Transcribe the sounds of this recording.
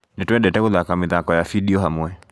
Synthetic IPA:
nɛtwɛdɛtɛkoðakamɪðakɔjafidiɔɦamwɛ

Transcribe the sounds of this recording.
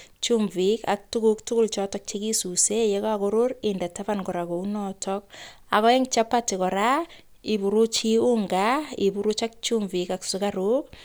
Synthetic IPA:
t͡ʃumvikak̚tukuktukult͡ʃɔtɔk̚t͡ʃekisusejekakoɾoɾɪndatapankɔɾakounɔtʰɔk̚ | akɔɛŋt͡ʃapatikɔɾa | ibuɾut͡ʃiuŋɡaibuɾut͡ʃak̚t͡ʃumvikaksukaɾuk̚

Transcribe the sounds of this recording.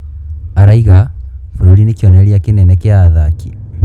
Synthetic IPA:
aɾaiɣafuɾoɾinekiɔnɛɾjakenɛnɛkeaðaki̥

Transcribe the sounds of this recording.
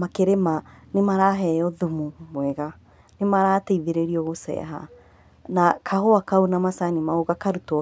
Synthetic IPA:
makeɾemanemaɾaɦɛɔðumumwɛɣa | nemaɾaːteiðeɾeɾiɔɣosɛ̰ɦa̰ | nakʰahoakaonamasanimaoɣakaɾut

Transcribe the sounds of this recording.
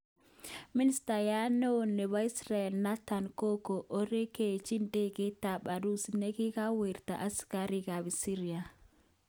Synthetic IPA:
ministajanɛwɔnːɛβaisɾaɛlnatankɔkɔʔɔɾɛket͡ʃindɛɡɛtaɓaɾusneɡikawiɾta̰ʔaskaɾiɡabisiɾia

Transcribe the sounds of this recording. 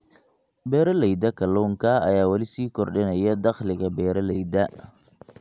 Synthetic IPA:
bɛːɾɐlɛjd̪ɐkʰɐlɔːŋkʰɐ̰ːjaːwɐlɪsiːkʰɔrɖɪnɐjɐd̪ɑχlɪɣɐbɛːɾɐlɛjd̪ɐ

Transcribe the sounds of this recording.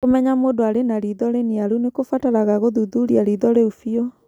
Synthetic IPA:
komɛɲamodoaɾenaɾiðɔɾeniaɾunekofataɾaɣaɣoðuðuɾiaɾiðɔɾeufiɔ

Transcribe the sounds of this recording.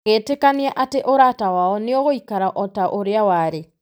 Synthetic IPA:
ɣeːtekaneaʔateʔoɾatawaɔneɔɣoikaɾaʔɔtaʔoɾeawaɾe

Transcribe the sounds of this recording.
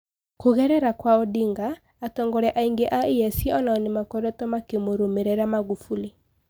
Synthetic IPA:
koɣɛɾɛɾakwaɔdiŋɡaː | tɔŋɡɔɾɛʔaiŋɡeʔaejɛsiɔnaɔnimakɔɾɔtɔmakemoɾomeɾɛɾamaɣufuli

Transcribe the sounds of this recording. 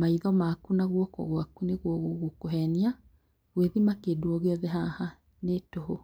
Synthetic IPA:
maiðɔmakunaɣwɔkɔ̰ɣwakuneɣwɔɣoɣokoɦɛnia | ɣweðimakeduɔɣeɔðɛɦaha | netoɦo

